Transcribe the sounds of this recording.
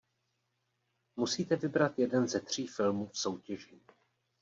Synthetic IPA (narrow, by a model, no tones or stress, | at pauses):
musiːt̪ɛvɪbɾat̪jɛdɛnzɛt̪r̝̥iːfɪlmufso̞wcɛʒi